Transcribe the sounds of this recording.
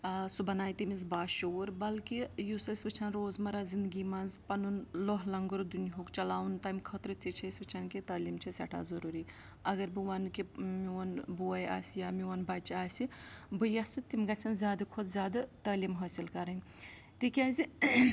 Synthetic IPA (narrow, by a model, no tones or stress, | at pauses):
subɐnaːjt̪imizbaːʃoːɾbɐlkijusɐsʲʋɐt͡ʃʰɐnɾoːzmɐɾazind̪ɡimanzpɐnunloɦlɐŋɡuɾd̪uniɦokt͡ʃɐlaːwunt̪ɐmkʰɐt̪ɾɨt̪ʰit͡ʃʰɐsʲʋɐt͡ʃʰɐnkit̪ɐːlimt͡ʃʰisʲɐʈʰa̰ːzɐɾuɾiː | ɐɡɐɾbiwɐnkimiʋɐnbuːja̰ːsjaːmiʋɐnbɐt͡ʃaːsibujast͡ʃʰit̪imɡɐt͡ʃʰɐnzʲaːd̪ɨkʰud̪zʲjaːd̪ɐt̪ɐːlimɦɐːsilkɐɾɐnʲ | t̪ikʲaːzi